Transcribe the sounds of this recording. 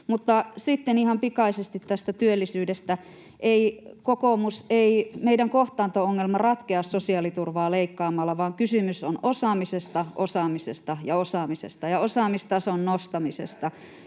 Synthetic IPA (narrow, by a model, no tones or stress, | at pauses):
mut̪ːɑsit̪ːenihɑmpikɑisest̪it̪tæst̪æt̪yølːisyːdest̪æ | ʔeikokomuseimeidæŋkoht̪ɑːnt̪ooŋːelmɑrɑt̪keɑssosiɑːlit̪urʋɑːleikːɑːmɑlːɑʋɑːŋkysymysonosɑːmisest̪ɑʔosɑːmisest̪ɑjɑosɑːmisḛst̪ɑjɑosɑːmist̪ɑsonnost̪ɑmisḛst̪ɑ